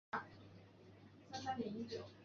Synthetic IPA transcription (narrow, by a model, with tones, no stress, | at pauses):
sa˥nsa˥nt̪jɛ˧˥ni˥t͡ɕjo˨˩ʊ